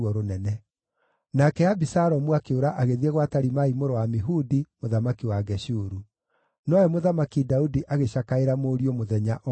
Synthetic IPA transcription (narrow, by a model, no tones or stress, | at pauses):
ɔɾonɛnɛ | nakɛabisaɾɔmuakeoɾaʔaɣeðieɣwataɾimaimoɾowamiɦudimoðamakiwaɡɛɕuɾu | nɔɛmoðamakidaudiʔaɣeɕakaeɾamoɾiomoðɛɲaʔ